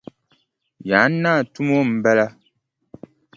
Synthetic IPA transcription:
ja˨˦n˦naː˦˨tu˦mo˦m̩˦bɛ˦la˦

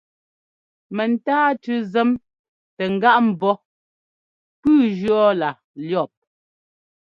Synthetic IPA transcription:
mɛ˨n̩˨taː˦tʉ˦zɛ˦m | tɛ˨ŋ̩˨ɡa˦ʔm̩˨bɔ˦ | pʉː˦d͡ʒɰɔ˦la˨ | ljɔ˦˨p̚

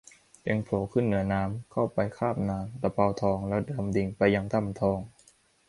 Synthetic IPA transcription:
pe˧ŋpʰloː˩˦kʰɯ˥˩nːɯ˩˦ɐnaː˦˥mkʰa˥˩wpa˧jkʰaː˥˩p̚naː˧mt̪a˧˥pa˧wt̪ʰɔː˧ŋlɛ˦˥wdɤː˧mdi˧ŋpa˧jːa˧ŋt̪ʰa˧˥˩mt̪ʰɔː˧ŋ

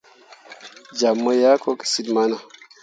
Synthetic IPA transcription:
d͡ʒa˨mːo˦ja˦ko˦ksi˨dma˦na˨

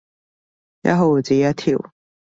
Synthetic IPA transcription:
ja̰˦˥ɦo˧˨t͡si˨ja˦˥t̪ʰi˧˨w

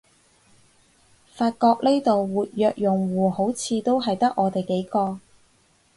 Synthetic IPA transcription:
faː˧t̚kɔː˧k̚le˥jt̪o˨wwuː˨t̚jœː˧k̚jʊ˨˩ŋwuː˨˩ho˨˥wt͡sʰiː˨˧t̪o˥wɦɐ˨jt̪ɐ˥k̚ʔɔː˨˧t̪e˨jke˨˥jkɔː˧

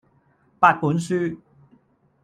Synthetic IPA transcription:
pa˥˨t̚pu˨˥nsy˥

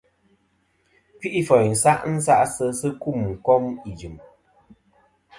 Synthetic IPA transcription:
pi˦ʔi˦fɔ˨jn̩˨sa˦ʔn̩˦sa˦ʔsə˦sɨ˦ku˦˨m̩˨kɔ˦mi˨d͡ʒɨ˨m

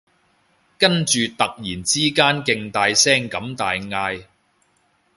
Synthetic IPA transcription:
kɐ˥nt͡ʃyː˨˧t̪ɐ˨k̚jiː˨˩nt͡siː˥kaː˥nkɪ˧ŋt̪aː˨˧jsɛː˥ŋkɐ˨˥mt̪aː˨˧jŋaː˧j

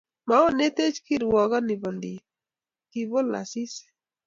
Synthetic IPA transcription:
ma˦ɔ˦ne˦t̪e˦t͡ʃki˦ɾwɔ˨ɡa˦ni˨bɔ˨ndi˨ | ki˨bɔ˦la̰˨si˦sɛ̥

